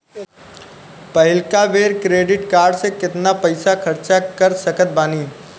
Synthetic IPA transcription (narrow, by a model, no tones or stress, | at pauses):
pɐɦɪlkaʋeːɾkɾeːɖɪʈkaːɾɖsekɪt̪napɐɪsakʰɐɾt͡ʃakəɾsəkət̪̚baːniː